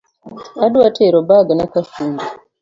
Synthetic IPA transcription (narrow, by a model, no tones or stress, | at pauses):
aduwatʰeɾobaɡanakafuːndi